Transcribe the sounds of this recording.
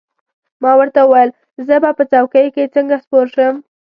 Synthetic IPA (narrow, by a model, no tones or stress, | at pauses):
mɑwəɾt̪auwajəl | zəbapət͡sawkəjket͡səŋɡaspoɾʃəm